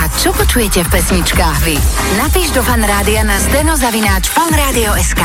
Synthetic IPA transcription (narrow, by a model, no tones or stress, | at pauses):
at͡ʃɔpɔt͡ʃujɛcɛfpɛsɲit͡ʃkaːɣʋi | napiːʒd̪ɔfanɾaːd̪ianazt̪ɛnɔzaʋinaːt͡ʃfalnɾaːd̪iɔɛskaː